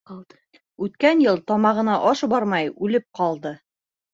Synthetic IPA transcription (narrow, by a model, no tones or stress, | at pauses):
ʉt̪kænjɤlˠt̪ɒmɑʁɤ̆nɑʔɒʃbɑɾmɑjʉlɘp̚qɑlˠd̪ɤ